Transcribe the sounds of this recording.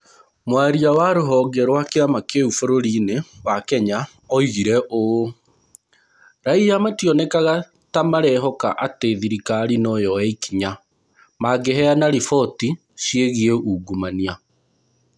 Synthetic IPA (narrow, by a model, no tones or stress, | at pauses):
mwaeɾiawaɾoɦɔːɡɛɾwakeamakeufoɾoɾiːnewakɛɲa | ɔiɣiɾɛʔo | ɾaijamatiɔnɛkaɣa | tamaɾɛɦɔka̰ʔateðiɾikaɾinɔjɔɛikiɲa | maɡeɦɛanaɾifɔti | ʃjeɣieuːɡumania